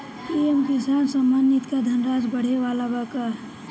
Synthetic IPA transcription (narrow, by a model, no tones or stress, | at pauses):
iemkɪsaːnsamanit̪kad̪ʱənɾaːd͡ʒbəɽ̤eʋaːlabaka